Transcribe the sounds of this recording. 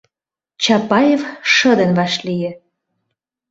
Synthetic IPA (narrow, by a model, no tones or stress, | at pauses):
t͡ɕɑpɑjefʃə̆d̪ə̆nβɑʃlijĕ